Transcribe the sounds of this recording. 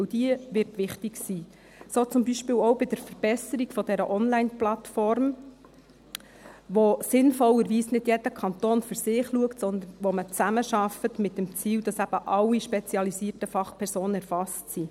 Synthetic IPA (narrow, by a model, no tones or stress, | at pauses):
d̥iəʋɪrtʋɪχtiksiː | soːt͡sʊmbiʃpɪːwɔwbɪd̥əɾfəɾb̥ɛsəɾiɡfɔd̥ɛɾəʔɔnlæɪnplɑtfɔrm | ʋosɪnfɔlːəɾʋiːsnɪd̥jɛd̥əkʰɑnt̪oːnføɾsɪχluəktsɔnd̪ənʋɔmət͡sæməʃɑfətmɪtːəmt͡siːld̥ɑsæb̥əʔɑlːiʃpɛt͡siɑlisiːərtəfɑχpʰɛɾsoːnəɛɾfɑstsi